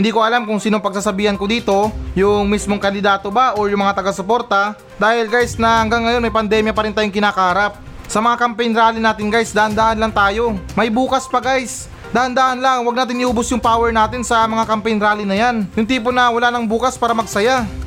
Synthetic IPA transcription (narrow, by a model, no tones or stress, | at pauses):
hɪnd̪iːko̞ɐlamkʊŋsiːnoŋpɐɡ̚saːsɐbiːhɐnkod̪iːt̪o̞jʊŋmismoŋkɐnd̪ɪd̪aːt̪obaʔoɹjʊŋmɐŋat̪ɐɡasopo̞ɾt̪ɐ | d̪aːhɪlɡajsnɐhɐŋɡaŋːɐjo̞nmɐjpɐnd̪ɛmjɐpɐɾɪnaːjʊŋkɪnaːkɐhɐɾap̚ | sɐmɐŋakɐmpɛnɾaːlɪnaːt̪ɪnɡajsd̪aːhand̪aːʔɐnlɐŋt̪aːjo̞mɐjbuːkɐspɐɡajs | d̪aːhɐnd̪aːhɐnlaŋwɐɡ̚naːt̪̬ɪnʔɪʔuːbosjʊŋpaːwɛɹnaːt̪ɪnsɐmɐŋakɐmpɛnɾaːlinɐjanjʊŋt̪iːp̬onɐwɐlaːnɐŋbuːkɐspaːɾɐmɐɡsɐja